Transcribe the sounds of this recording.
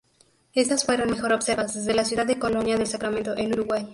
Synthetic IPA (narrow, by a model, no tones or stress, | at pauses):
e̞st̪asfwe̞ɾo̞nme̞xo̞ɾo̞bse̞ɾβazðezðe̞lasjuðaðːeko̞lo̞njaðe̞lsakɾamẽ̞nt̪o̞ʔenuɾuɣwaj